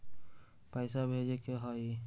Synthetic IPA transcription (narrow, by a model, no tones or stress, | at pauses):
pajsabʱezekeɦɔj